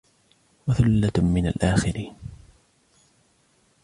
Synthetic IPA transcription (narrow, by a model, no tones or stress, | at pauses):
waθʊlːamɪna̰lʔaːxɪɾiːn